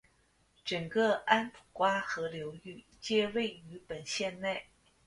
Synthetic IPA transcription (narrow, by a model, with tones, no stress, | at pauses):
ʈ͡ʂɤ˨˩ŋkɤ˥˧a˥npʰu˨˩kwa˥xɤ˧˥ljo˧˥ʊy˥˩ | t͡ɕjɛ˥˧we˥˩ɪy˧˥pə˨˩nɕjɛ˥˧nne˥˩ɪ